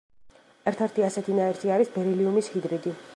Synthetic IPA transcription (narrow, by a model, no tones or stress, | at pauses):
ɛɾt̪ʰɛɾt̪ʰiasɛt̪ʰinaɛɾt̪ʰiaɾisbɛɾiliumishid̪ɾid̪i